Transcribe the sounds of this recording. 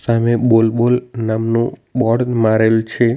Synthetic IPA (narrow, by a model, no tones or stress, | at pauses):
samebolbolnamnũbɔɽmaɾelt͡ʃʰe